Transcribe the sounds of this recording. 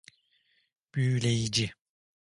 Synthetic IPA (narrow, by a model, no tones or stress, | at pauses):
b̥ylʲejid͡ʒi